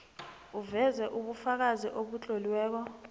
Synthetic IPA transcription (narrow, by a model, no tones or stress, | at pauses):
uvɛzɛʔuɓufak̬aziʔoɓut͡ɬʼoliwɛːk̬ɔ